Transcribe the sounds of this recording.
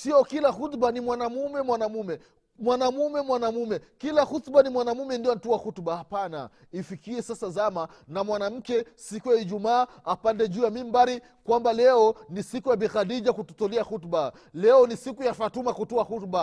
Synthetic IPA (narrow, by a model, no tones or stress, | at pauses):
siɔkilahutɓanimwanamumɛmwanamumɛ | mwanamumɛmwanamumɛkilahutɓanimwanamumɛndijɔn̩tuwahutɓahapana̰ | ifikiɛsasazama | namwanam̩kɛsikujaiʄumaː | apandɛʄuːjamimbaɾi | kwambalɛɔnisikujabixadid͡ʒakututɔliahutɓa | lɛɔnisikujafatumakutuaxutɓa